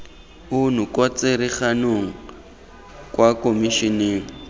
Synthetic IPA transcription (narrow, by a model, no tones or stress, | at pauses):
ʊnukʼwat͡seɾiχanoŋ̩ | kʼwakʼomiʃineːŋ̩